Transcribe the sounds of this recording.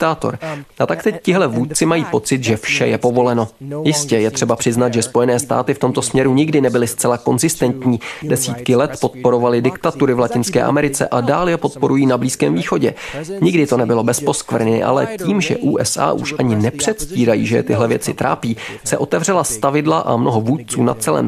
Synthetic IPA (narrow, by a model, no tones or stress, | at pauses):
t̪aːt̪o̰ɾʔat̪akt̪ɛccɪɦlɛvuːt̪̚t͡sɪmajiːpo̞t͡sɪt̪ʒɛfʃɛjɛpo̞vo̞lɛno̞jɪscɛjɛt̪r̝̥ɛbapr̝̥ɪznat̪ʒɛspo̞jɛnɛːst̪a̰ːt̪ɪft̪o̞mt̪o̞smɲɛɾuɲɪɡdɪnɛbɪlɪst͡sɛlako̞nzɪst̪ɛnt̪ɲiːdɛsiːt̪kɪlɛt̪po̞t̪̚po̞ɾo̞valɪdɪkt̪at̪uɾɪvlacɪnskɛ̰ːʔa̰mɛɾɪt͡sɛ̰ʔadaːljɛpo̞t̪̚po̞ɾujiːnabliːskɛ̰ːmviːxo̞ɟɛɲɪɡdɪt̪onɛbɪlo̞bɛspo̞skvr̩ɲɪ̰ʔa̰lɛ̰ciːmʒɛ̰ʔuːʔɛsʔa̰ːʔuʃʔaɲɪnɛpr̝̥ɛt̪sciːɾajḭːʒɛt̪ɪɦlɛvjɛ̰t͡sɪt̪ɾa̰ːpiːsɛʔo̞t̪ɛvr̝ɛlast̪avɪdlaʔa̰mno̞ɦovuːt̪̚t͡suːna̰t͡sɛlɛ̰ːm